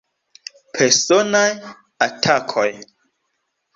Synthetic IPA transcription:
pʰeɾsonaj | atʰakʰoj

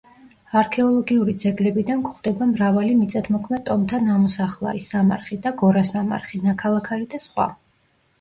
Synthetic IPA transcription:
aɾkʰɛɔlˠɔɡiuɾid̪zɛɡlɛbid̪ankʰχd̪̥ɛbamɾavalimit̪sʼat̪ʰmɔkʰmɛd̪t̪ʼɔmt̪ʰanamɔsaχlˠa̰ɾisama̰ɾχid̪aɡɔɾasama̰ɾχinakʰalˠakʰaɾid̪asχwa̰

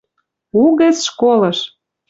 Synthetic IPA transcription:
uɣɘ̆t͡sʃkolɤ̆ʃ

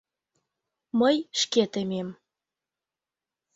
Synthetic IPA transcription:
məjʃket̪emem

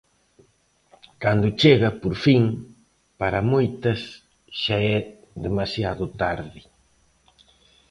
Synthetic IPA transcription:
kand̪ʊt͡ʃeɣɐpoɾfiŋ | paɾɐmojt̪ɐs | ʃaɛ | ðemasjaðʊt̪aɾðɪ

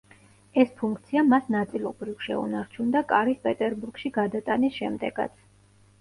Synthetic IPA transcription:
ɛspʰuŋkʰt̪sʰiamasnat̪sʼilˠɔbɾifʃɛ̰ṵnaɾt͡ʃʰund̪akʼaɾispʼɛt̪ʼɛɾbuɾɡ̥ʃiɡad̪at̪ʼanisʃɛmd̪ɛɡ̥a̰t̪sʰ

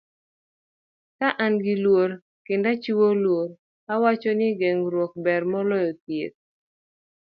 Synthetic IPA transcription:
kaʔanɡɪlwoɾ | kɪndat͡ʃiwolwoɾ | awat͡ʃɔnɪɡeŋɾwɔk̚bɛrmɔlɔjɔt̪̚jet̚

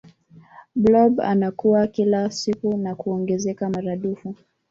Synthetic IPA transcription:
blɔba̰nakuwakilasikunakuɔŋɡɛzɛkamaɾaɗufu

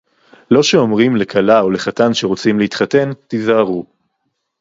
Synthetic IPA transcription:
lo̞ʃe̞o̞mʁimle̞kʰalaole̞χatanʃe̞ʁot͡simleit̪χate̞nt̪izaaʁu

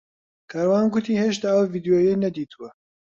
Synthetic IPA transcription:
kʰaːɾwaːnɡʊt̪ʰiːheːʃt̪aːəwviːd̪ijoːjejnɐd̪iːt̪ʰuwɐ

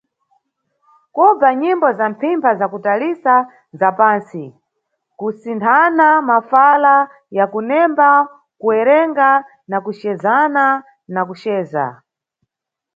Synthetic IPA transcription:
kɔb͡vaɲimbɔzampʰimpʰazakutalisa | zapaːnsi | kusintʰanamafala | jakunɛmba | kuɛɾɛŋɡa | nakuʃɛzana | nakuʃɛːza̰

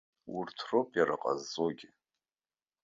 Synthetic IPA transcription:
urtʰropʼjaɾɨ̰qʼa̰zːoɡʲɪ

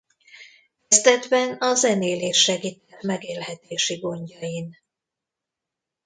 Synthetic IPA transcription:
kɛzd̪ɛd̪bɛnɒzɛneːleːʃːɛɡit̪ɛrmɛɡeːlhɛt̪eːʃiɡo̞ɲɟɒjin

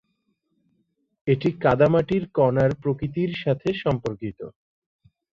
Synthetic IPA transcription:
eʈikad̪amaʈiɾkɔnaɾpɾokɾit̪iɾʃat̪ʰeʃɔmpoɾkit̪o̰

